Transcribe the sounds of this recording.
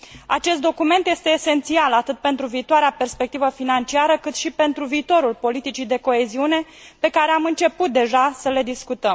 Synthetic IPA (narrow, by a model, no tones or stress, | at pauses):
a̰t͡ʃe̞st̪d̪o̞kume̞nt̪je̞st̪e̞ːse̞nt̪sialat̪ɨt̪̚pe̞nt̪ɾuviːt̪oaɾeape̞rspe̞kt̪ivəfinant͡ʃiaɾəkɨt̪ʃipe̞nt̪ɾuviːt̪o̞ɾulpo̞lit̪it͡ʃid̪e̞ko̞e̞ziune̞ | pe̞kaɾe̞amɨnt͡ʃe̞put̪̚d̪e̞ʒasəle̞d̪iskut̪əm